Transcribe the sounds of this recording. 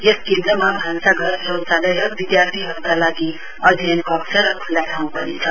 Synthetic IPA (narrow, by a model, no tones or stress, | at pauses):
jeskẽnd̪ɾəmabʱansaɡəɾɦəwsaləjəkʋid̪jaɾt̪ʰiɦəɾukalaɡi | ʌd̪ʱenkɔksəɾkʰulːjaʈʰaũpʌ̰nḭt͡ʃʰʌ